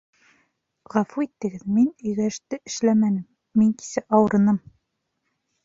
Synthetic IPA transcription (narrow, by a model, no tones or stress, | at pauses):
ʁɑfuit̪ːɘ̆ɡɘðminɵ̆jɡæʃt̪ɘʔɘ̆ʃlæmænɘmː | iŋki̥sæʔɑwɤ̆ɾɤ̆nɤm